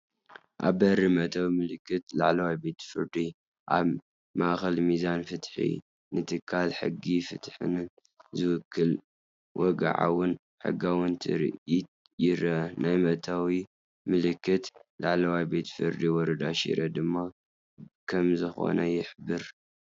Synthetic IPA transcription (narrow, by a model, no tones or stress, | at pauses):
ʔa̰βbɐrːimɐt̪ʰawimɨlɨkːɨt̪la̰ʕlɐwajbet̪fɨɾd̪i | ʔa̰β | maʔxɐlmizanfɨt̪ħḭ | nɨt̪ʰɨkʰːalħɨ̰ɡːifɨt̪ħɨ̰nɨn | zɨwʊkʰːɨl | wʔɔɡa̰ʕa̰wʊn | ħɨ̰ɡawʊnt̪ʰɨ̰ɾ̰ʔit̪̚ | jɪɾɐnajmɐt̪ʰawi | mɨlɨkːɨt̪laʕlɐwajbe̞t̪fɨɾd̪iwɔɾɐd̪aʃḭɾʔɐd̪ɨmːa | kʰɐmzɨxo̞̰nɐjɪħbɨɾ